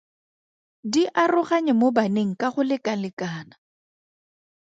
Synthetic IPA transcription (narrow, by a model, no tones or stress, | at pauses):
diʔarʊχaɲɪmobaneŋ̩kʼaχʊlɪkʼalɪkaːna